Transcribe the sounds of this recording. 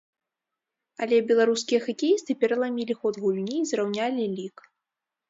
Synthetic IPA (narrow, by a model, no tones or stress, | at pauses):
alʲɛbʲɛlˠaɾuskʲijɛxakʲɛjist̪ɨpʲɛɾɐlˠamʲilʲixɔd̪ɣulʲnʲiːzrawnʲalʲilʲik